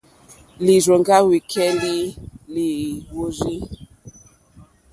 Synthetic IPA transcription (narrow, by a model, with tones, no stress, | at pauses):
li˨zo˨ŋɡa˦wi˨kʰɛ˦li˦li˨wo˦ɾi˦